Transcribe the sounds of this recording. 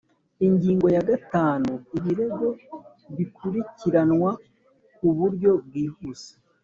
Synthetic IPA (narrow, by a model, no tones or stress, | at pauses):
iɲɟiːŋɡo̞jaɡataːnuiβiɾe̞ɡo̞ | βikʰuɾiciɾanŋwa | kuβuɾɟo̞bɡiːhuse̥